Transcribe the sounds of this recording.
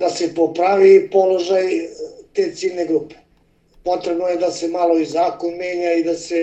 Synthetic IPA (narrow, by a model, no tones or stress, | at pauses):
d̪ase̞popɾaʋipo̞lo̞ʒajt̪e̞ːt̪siːlne̞ɡɾuːpe̥ | po̞t̪ɾebnojed̪ase̞malˠo̞izaːko̞nmeːɲaid̪ase̞